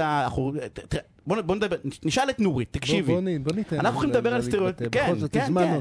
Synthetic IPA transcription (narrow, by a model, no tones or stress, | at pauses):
aːχot̪ | bonboned̪abeiniʃalet̪nuʁit̪ːakʃivinibonit̪anaχnuoχimed̪abeʁalest̪eʁjot̪keookema